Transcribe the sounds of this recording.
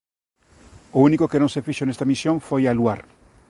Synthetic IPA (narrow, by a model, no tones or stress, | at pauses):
ounikokenõŋsefiʃonest̪amisjoɱfojaluaɾ